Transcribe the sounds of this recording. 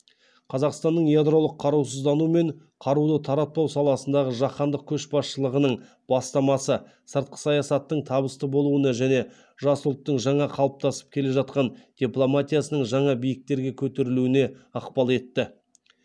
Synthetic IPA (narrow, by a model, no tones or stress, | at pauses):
qʰɑzɑqst̪ɑnːəɴjad̪ɾo̞lˠəqʰːɑɾuwsəzd̪ɑnume̞ɴ | qʰɑɾud̪ət̪ʰɑɾɑt̪̚ːɑwsɑlˠɑsənd̪ɑʁəʒɑqɑnd̪əq̚kʲʰɵʃbɑsʃəlˠəʁənəɴ | b̥ɑst̪ɑmɑsə | səɾt̪̚qə̥sɑjɑsɑt̪ːəɴt̪ʰɑbəst̪əbo̞lˠuənɑʒæne̞ | ʒɑsʊlˠt̪ːəɴʒɑɴɑqʰɑlˠəp̚t̪ɑsə̥p̚kʲʰe̞le̞ʒɑt̪̚qɑnd̪̥ʲiplˠo̞mat̪ʲijasənəɴʒɑɴɑbijɪk̚t̪e̞ɾɡʲe̞kʲʰɵt̪e̞ɾɪluɪne̞ɑqpɑlˠe̞t̪ːɪ